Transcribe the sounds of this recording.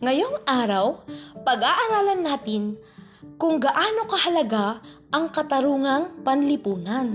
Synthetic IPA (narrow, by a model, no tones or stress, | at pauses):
ŋɐjo̞ŋʔaːɾɐwpɐɡaʔɐɾaːlɐnːaːt̪ɪn | kʊŋɡɐʔaːno̞kɐhɐlɐɡaʔɐŋkɐt̪ɐɾuːŋɐŋpɐnlɪpuːnan